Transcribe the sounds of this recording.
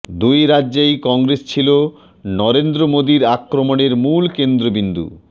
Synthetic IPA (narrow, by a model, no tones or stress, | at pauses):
d̪ujɾaʑejkɔŋɾest͡ɕʰilo | nɔɾend̪ɾomod̪iɾakɾomoneɾmulkend̪ɾobind̪ṵ